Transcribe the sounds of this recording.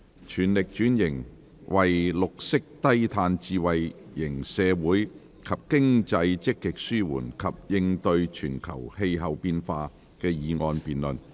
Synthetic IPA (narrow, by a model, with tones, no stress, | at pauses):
t͡ʃʰyː˨˩nlɪ˨k̚t͡ʃyː˨˥njɪ˨˩ŋ | wʔɐ˨jlʊ˨k̚sɪ˥k̚t̪ɐ˥jt̪ʰaː˧nt͡siː˨wɐ˨jjɪ˨˩ŋsɛː˨˧wuː˨˥j | kʰɐ˨p̚kɪ˥ŋt͡sɐ˧jt͡sɪ˥kːɪ˨k̚syː˥wṵː˨˩nkʰɐ˨p̚jɪ˧ŋt̪ɵ˧ɥt͡ʃʰyː˨˩nkʰɐ̰˨˩whe˧jɦɐ˨wpiː˧nfaː˧ | kɛː˧jiː˨˧ŋɔː˧npiː˨nlɵ˨n